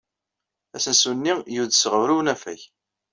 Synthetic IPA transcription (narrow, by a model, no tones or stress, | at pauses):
æsənsunːijuðsəʁəvɾuwnæfæ̰ç